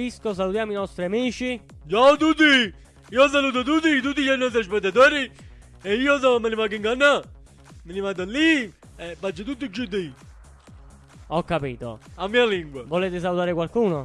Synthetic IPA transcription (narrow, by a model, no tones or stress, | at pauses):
iskosalut̪jaːmoinɔst̪ɾiamiːt͡ʃit͡ʃaut̪ut̪̬ːi | iːoɔs̬ːaluːt̪̬ot̪̬ut̪̬ːit̪ut̪̬ːiʎanːɔs̬t̪ɾaspɛt̪ːat̪oːɾi | eiːos̬ɔmenimakiŋɡanːa | minimat̪̬alːi | ebad͡ʒat̪ut̪̬ːid͡ʒud̪i | ɔkːapiːt̪o̰amːiːaliŋɡwavoleːt̪ɪs̬alut̪aːɾɪkwalkuːno